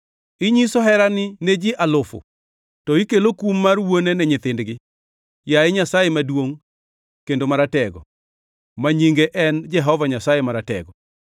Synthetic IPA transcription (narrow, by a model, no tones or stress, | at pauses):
ɪɲisɔɦɛɾanɪned͡ʒɪʔalʊfʊ̰ | tɔikelokumːarwonenɛɲɪt̪ɪndɡɪ | jaɛɲasajemadwoŋ | kendomaɾatɛɡɔ̰ | maɲiŋɡeʔɛnd͡ʒɛɦɔvaɲasajemaɾatɛ̰ɡɔ